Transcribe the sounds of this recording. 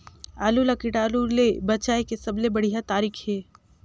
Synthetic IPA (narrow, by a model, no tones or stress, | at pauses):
aːlulɐkɪʈaːlulebɐt͡ʃaːekesɐblebɐɽ̤ijat̪aːɾiːkʰɦeː